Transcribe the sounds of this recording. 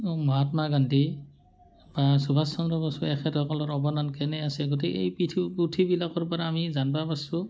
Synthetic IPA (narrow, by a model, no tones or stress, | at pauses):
mɔɦatmaɡanti | basubʱasɔmɾɔbɔsuɛxʰɛtɔkɔlɔɹɔbɔnankɛnɛasɛɡot̬ikḛjpitʰputʰibilakɔɹpɔɹaːmizanbabasu